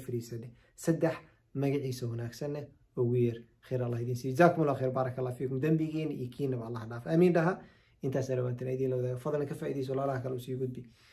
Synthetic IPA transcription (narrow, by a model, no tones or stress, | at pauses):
fɪɾiːsɐnɛ | sɐd̪ɛħ | mɐɣɪʕiːsɐwɐnaːɡsɐnɛ | ʔʊɣʊjɐr | xɛjɾɑlːaːhɪðiːnsiːjd͡ʒɪzaːkʊmʊlaxɛːɾbɑːɾˤɐkʰɐlːaːfiːkʊmd̪ɐmbɪɣiːnḭjkʰiːnɐβɐɑlːɑːhɖaːfʔɐmiːnɖɐɦɐ | ʔɪnt̪ʰaːsnɐlɐwaːt̪ʰnajðiːlɐwɐðaːɣɛfɐðlnɐkʰɐfaːʔiːðɛjs̬ɔwɑlaːlɐhɐkʰɐlɛusiːɡʊd̪̚bɪ